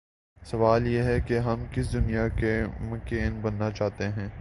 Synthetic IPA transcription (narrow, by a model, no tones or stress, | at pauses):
sɐʋaːljeːɦɛkeɦɐmkɪsd̪ʊnijakemʊkeːnbɐnːat͡ʃaːɦt̪eɦɛ̃ː